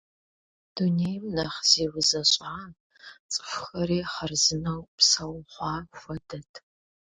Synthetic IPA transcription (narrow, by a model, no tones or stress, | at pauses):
d̥unejmnɐχz̥eːwʊzɐɕʼaːn | t͡sʼɨ̥fxɐɾeːχɐrzɨnɐwpsɐwχʷɑːxʷɐdɐtʰ